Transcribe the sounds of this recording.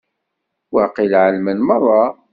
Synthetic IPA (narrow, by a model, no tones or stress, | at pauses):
waqilʕəlmənmərˤːɑ